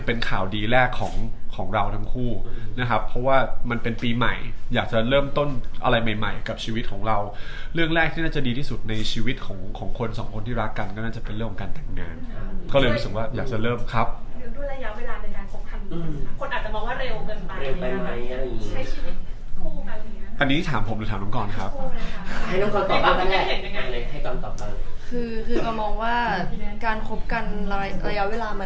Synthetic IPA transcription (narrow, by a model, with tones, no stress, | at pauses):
pe˧nkʰaː˨˩wdiː˧ɾɛː˥˩kʰːɔː˩˦ŋkʰɔː˩˦ŋɾa˧wt̪ʰa˧˥mkʰuː˥˩na˦˥kʰa˦˥pʰːɔ˦˥waː˥˩ma˧npe˧npiː˧ma̰˨˩jjaː˨˩k̚t͡ɕa˨˩ɾɤː˥˩mt̪o˥˩nʔa̰˧ɾa˧jma˨˩jma˨˩jka˨˩p̚t͡ɕʰiː˧wi˦˥t̪̚kʰɔː˩˦ŋɾa˧wɾɯ˥˩əŋɾɛː˥˩k̚t̪ʰiː˥˩naː˥˩t͡ɕa˨˩diː˧iː˥˩su˨˩t̪̚na˧jt͡ɕʰiː˧wi˦˥t̪̚kʰɔː˩˦ŋkʰɔː˩˦ŋkʰo˧nsɔː˩˦ŋkʰo˧nt̪ʰiː˥˩ɾa˦˥kːa˧nkɔː˥˩naː˥˩t͡ɕa˨˩pe˧nɾɯ˥˩ŋkʰːɔ˨˦kaː˧nt̪ɛ˨˩m̚ŋaː˧nkɔː˥˩lɤː˧jɾu˦˥sɯ˨˩k̚waː˥˩jaː˨˩k̚t͡ɕa˨˩ɾɤː˥˩mkʰa˦˥p̚duː˨˩˦duː˥˩˨jɾa˧ja˦˥ʔweː˧laː˧na˧jkaː˧nkʰo˦p̚kʰa˧˩nː˧˩kʰo˧nʔa˨˩t͡ɕa˨˩mɔː˧ŋwaː˥˩ɾe˧wŋɤ˧nma˧ɾe˧wa˧ma˧jt͡ɕʰa˥˩jt͡ɕʰiː˧wi˦˥t̪̚ | kʰɔ˨˧˩o˨˦a˧˩˧ʔʔa˧nːiː˦˥t̪ʰaː˩˦mpʰo˨˩˦mdu˨˩t̪ʰaː˨˦mʰa˧˦kɔː˨˩nkʰa˦˥p̚ | a˥˩jɾɯː˥˩ŋkɔː˧˩t̪ɔː˨˩aː˧˩a˧aː˥ɦe˨˩nja˧˩ŋa˧jlɤː˧ja˨˩ha˥˩jka˧t̪ɔː˨˩a˧˩lkʰɯː˧kʰɯː˧ka˧˩mɔː˧ŋwaː˥˩kaː˧nkʰo˦˥p̚ka˧na˧ɾa˧ja˦˥ʔweː˧laː˧ma˧